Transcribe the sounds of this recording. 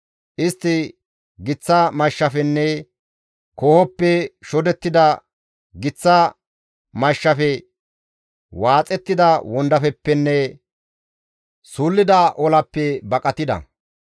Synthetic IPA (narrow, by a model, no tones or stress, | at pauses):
ʔɪst̪ːɪ | ɡɪt͡sːɐmɐʃːɐfɛnːɛ | kɔhɔpːɛʃɔd̪ɛt̪ːɪd̪ɐ | ɡɪt͡sːɐ | mɐʃːɐfɛ | waːt͡sʼːɛt̪ːɪd̪ɐwɔnd̪ɐfɛpːɛnːɛ | suːlːɪd̪ɐʔɔlɐpːɛbɐkʼɐt̪ɪd̪ɐ̰